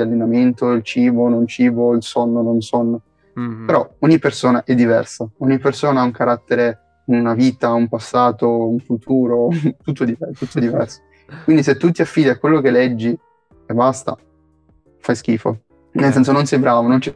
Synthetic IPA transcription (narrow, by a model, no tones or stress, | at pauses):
alːenament̪oilt͡ʃiːbonont͡ʃiːboilsɔnːononsɔnːo | peɾɔɔɲːipːersoːnaʔɛd̪ːivɛ̰rsaɔɲːipːersoːnaauŋkaɾat̪ːeɾe | unaviːt̪aumpasːaːt̪ouɱfut̪ʰuːɾot̪ut̪ːod̪ivɛt̪ːut̪ːoed̪ivɛrso̥ | kwind̪is̬et̪ːut̪ːiafːiːd̪iakːwelːok̟elːɛd͡ʒːi | ebast̪a̰ | fajsk̟iːfo̰ | nels̬ɛns̬ononsɛjbɾaːvonont͡ʃɛ